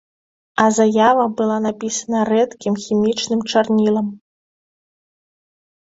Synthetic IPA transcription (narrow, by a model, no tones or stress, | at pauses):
ɐzajavɐbɨlˠanapʲisɐnɐrɛt̪kʲimxʲimʲit͡ʂnɨmt͡ʂarnʲilˠɐm